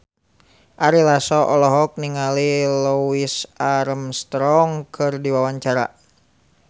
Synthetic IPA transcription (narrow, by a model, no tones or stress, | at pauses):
ʔaɾilasɔʔɔlɔɦɔk̚niŋalilɔwisaɾəmst̪ɾɔŋkʰɨrdiwawaɲt͡ʃaɾa̰